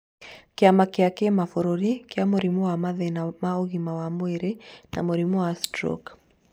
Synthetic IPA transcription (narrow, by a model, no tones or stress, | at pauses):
keamakiakɛmafoɾɔɾikeamoɾimuwamaðɛnamaɔɣimawamwɛɾena̰moɾimuwastɾɔ̰k